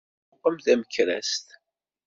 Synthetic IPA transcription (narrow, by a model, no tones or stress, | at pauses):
qːəmðæməçɾæ̰st̪